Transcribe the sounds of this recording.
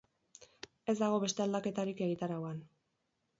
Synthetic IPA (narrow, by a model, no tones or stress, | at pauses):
e̞zd̪aɣ̞o̞βe̞st̪e̞ald̪ake̞t̪aɾike̞ɣit̪aɾawan